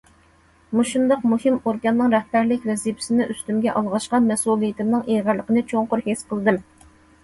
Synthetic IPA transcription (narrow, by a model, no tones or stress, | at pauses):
muʃund̪ɑq̚muhɪmoɾɡʲɑnːɨŋɾɛhbæɾlɪkʲvɛzipʰɪ̥sɪnɪʔyst̪ymɡʲɛʔɑlˠʁɑʃqɑmɛsulˠijɪt̪ʰɪmnɨŋʔeʁæɾlːəqənɨt͡ʃʰoŋqʊɾhesqʰəlˠɨd̪ɨm